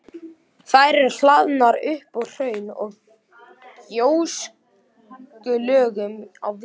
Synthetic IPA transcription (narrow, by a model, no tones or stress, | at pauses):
θajɾɛɾllaðnaɾʏhpɔɣr̥œːɥnɔɣ | jows | kʏlœːɣʏma̰w